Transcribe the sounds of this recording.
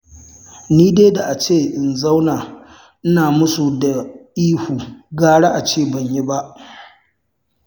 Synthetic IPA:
niː˦deː˦da˨ʔa˨t͡ʃeː˦˨ʔɪ˨nza˦wnaː˨ | ʔɪ˦naː˨mʊ˦su˨da˨ʔiː˦huː˨ɡaː˦ɽa˦ʔa˨t͡ʃeː˦˨bɐ˨ɲji˦ba˦ʔ

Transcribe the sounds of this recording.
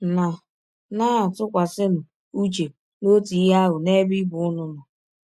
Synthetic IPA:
na˨ | na˦a˨tʊ˦kʷa˨sɪ˦m̩˨ | u˦t͡ʃe˨ | no˦ti˨˦ɦa˦ɦʊ˨ne˦bi˦bʊ˨ʊ˦nʊ˦nʊ˨

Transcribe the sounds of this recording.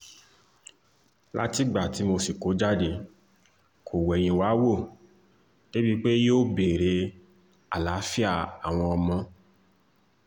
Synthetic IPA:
la̰˦ti˦ɡ͡ba˨ti˨˦mo˧si˨ko˨˦d͡ʒa˦de˧ | kʰo˨wɛ˨j̃ĩ˨wa˨˦wo˦˨ | ne˦bi˦k͡pe˦joː˦˨be˨ɾe˧ | a˨la˨˦fi˦a˦˨a˨w̃ɔ̃˧ɔ˧mɔ̃˧

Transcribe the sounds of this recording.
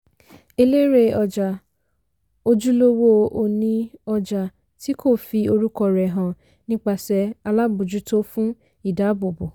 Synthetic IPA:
e˧le˦ɾe˧˦ɔ˧d͡ʒa˨ | o˧d͡ʒu˦lo˦wo˦o˨nĩ˧ɔ˧d͡ʒa˨ | ti˦ko˦˨fi˧o˧ɾu˦kɔ˧ɾɛ˨ɦã˨ | nĩ˦k͡pa˧˨sɛ˧a˧la˦bu˨d͡ʒu˦to˦fũ˦ | i˦˨da˨˦bo˨bo˨

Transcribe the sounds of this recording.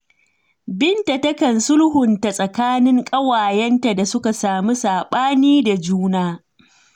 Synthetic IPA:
bɪ˦nta˨tɐ˦kɐ˨nsʊ˦lhʊ˨nta˨sʼɐ˨kaː˦nɪ˦ŋkʼɐ˦waː˨jɛ˦nta˨da˨sʊ˦ka˨saː˨mi˦saː˨ɓaː˦niː˦da˨d͡ʒuː˦naː˦

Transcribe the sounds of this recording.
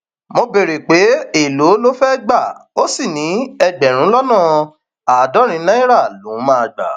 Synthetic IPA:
mõ˧be˨ɾe˨k͡pe˨˦e˦˨lo˨˦lo˦fɛ˦ɡ͡ba˦˨o˦si˦˨nĩ˨˦ɛ˧ɡ͡bɛ˨ɾ̃ũ˨˦lɔ˦nã˦˨ | a˨dɔ˨˦ɾ̃ĩ˧˦nã˦ĩ˦ɾa˦˨lo˨˦mãː˦a˧˨ɡ͡ba̰˨˦

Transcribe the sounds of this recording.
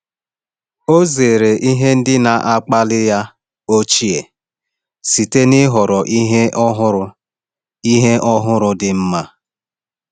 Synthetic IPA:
o˦ze˨ɾe˨ʔi˦ɦe˦n̩˦dɪ˦na˨ʔa˦k͡pa˦lɪ˦ja˦ | o˦t͡ʃi˦e˨ | si˨te˦nɪ˦ɦɔ˨ɾɔ˨ʔi˦ɦe˦ʔɦʊ˦ɾʊ˦ | i˦ɦe˦ʔɔ˦ɦʊ˦ɾʊ˦dɪ˨m̩˦ma˦

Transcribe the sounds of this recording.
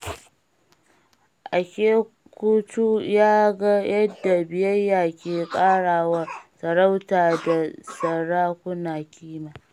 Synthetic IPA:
ʔa˨kʲeː˦ | kʷuː˦tu˦jaː˦ɡa˦jɐ˦dːa˨bɪ˨jɐ˦jːaː˨kʲeː˨kʼaː˦ɽaː˨wa˦sɐ˨ɽa˦wtaː˨da˨sɐ˨ɽaː˦kʷʊ˦naː˨kʲiː˦maː˨

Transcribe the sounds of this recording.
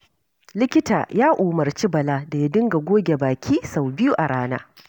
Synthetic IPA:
lɪ˦kʲɪ˦ta̰ː˨jaː˦ʔuː˨mɐ˨rt͡ʃi˦bɐ˨laː˦da˨ja˦dɪ˦ŋɡa˨ɡʷoː˦ɡʲe˨baː˨kʲʰiː˦sa˨wbɪ˦ju˦ʔa˨ɽaː˦na̰ː˦

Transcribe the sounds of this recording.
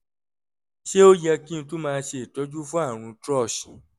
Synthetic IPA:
ʃe˦o˦jɛ˧kĩ˦˧tũ˦mãː˧ʃe˧˨tɔ˨˦d͡ʒu˦fũ˦a˦˨ɾ̃ũ˧tɾɔ˦˨ʃi˨

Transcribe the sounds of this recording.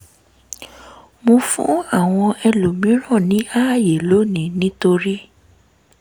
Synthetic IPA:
mõ˧fṵ̃˦a˦˨w̃ɔ̃˧ɛ˧lo˨mĩ˨˦ɾ̃ɔ̃˦˨nĩ˨˦a˦˨je˨lo˨˦˨nĩ˨˦nĩ˦to˧ɾi˦

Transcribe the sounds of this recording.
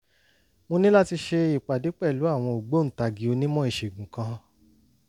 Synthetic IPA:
mo˧nĩ˦la˦ti˧ʃe˧i˨k͡pa˨di˨˦k͡pɛ˦˨lu˨˦a˦˨w̃ɔ̃˧o˨ɡ͡bo˨˦n̩˨ta˧ɡi˨˦o˧nĩ˦mɔ̃˦i˦˨ʃe˨ɡũ˨kã˧

